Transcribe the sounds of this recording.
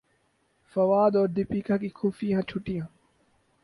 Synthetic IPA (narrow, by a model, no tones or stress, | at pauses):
fɐʋaːd̪ɔːɾd̪ɪpiːkʰaːkiːkʰuːfijãːt͡ʃʰʊʈijãː